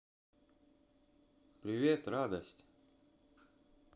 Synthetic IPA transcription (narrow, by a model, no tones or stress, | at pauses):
pɾʲɪvʲet̪rad̪əsʲtʲ